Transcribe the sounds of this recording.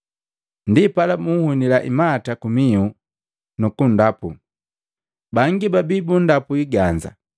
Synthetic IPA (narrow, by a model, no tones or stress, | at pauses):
ndipalamuhunilaʔimaːtakumiu | nukundapṵ | baŋɡibabibundapuiɡand͡ʒa̰